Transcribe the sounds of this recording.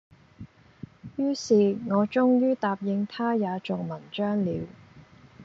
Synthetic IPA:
jyː˥siː˨ŋɔː˨˧t͡ʃʊ˥ŋjyː˥t̪aː˨p̚jɪ˨˧ŋt̪ʰaː˥jaː˨˧t͡ʃʊ˨ŋmɐ˨˩nt͡ʃœː˥ŋliː˨˧w

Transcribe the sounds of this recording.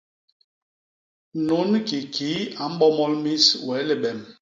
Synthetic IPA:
no˨˦nki˨kʰi˨˦a˨m̩˦ɓɔ˦mɔ˦lmi˦swɛ˨˦le˨ɓɛ˨m

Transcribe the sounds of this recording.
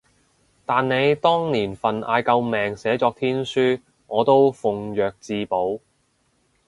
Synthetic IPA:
t̪aː˨nne˨˧jt̪ɔː˥ŋniː˨˩nfɐ˨na̰ː˨˧jkɐ˧wmɛː˨˩ŋsɛː˨˥t͡sɔː˧k̚t̪ʰiː˥nsyː˥ | ŋɔː˨˧t̪o˥wfʊ˨ŋjœː˨k̚t͡siː˧po˨˥w

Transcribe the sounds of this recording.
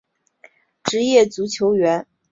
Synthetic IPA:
ʈ͡ʂɻ̩˧˥jɛ˥˩t͡su˧˥t͡ɕʰjo˧˥ʊɥɛ˧˥n

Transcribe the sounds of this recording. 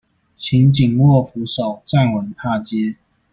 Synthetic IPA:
ɕʰi˨˦nt͡ɕi˨˩ŋwɔ˥˨fu˨˥ʂo˨˩ʊt͡sa˥˨nwə˨˦nt̪ʰa˥˨t͡ɕjɛ˥˦

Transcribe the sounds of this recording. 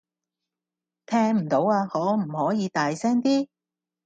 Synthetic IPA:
t̪ʰɛː˥ŋm̩˨˩t̪o˨˥waː˧hɔː˨˧˥m̩˨˩hɔː˨˥jiː˨˧t̪aː˨jsɛː˥ŋt̪iː˥

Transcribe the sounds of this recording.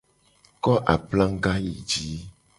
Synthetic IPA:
kɔ˦ʔa˨plã˦ŋ˦ɡa˦jḭ˨d͡ʒi˦

